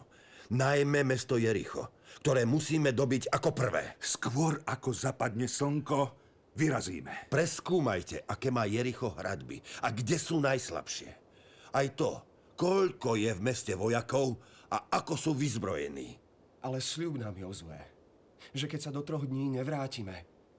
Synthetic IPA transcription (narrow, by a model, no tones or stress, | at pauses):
najmɛmɛst̪ɔjɛɾḭxɔ̰k̚t̪ɔɾɛːmusiːmɛd̪ɔbiɟakɔpr̩ʋɛ̰ːskʋɔɾakɔzapad̪ɲɛsɔŋkɔ | ʋiɾazḭːmɛpɾɛskuːmajcɛʔakɛːmaːjɛɾixɔɦɾa̰d̪bḭaɡɟɛsuːnajsla̰pʃɪɛ̰ | ajt̪ɔ | kɔʎkɔjɛvmɛscɛʋɔjakɔʊaakɔsuːʋizbɾɔ̰jɛ̰nḭː | alɛsʎubnaːmjɔzlɛ̰ː | ʒɛkɛcsad̪ɔt̪ɾɔɣd̪ɲiːɲɛʋɾaːcimɛ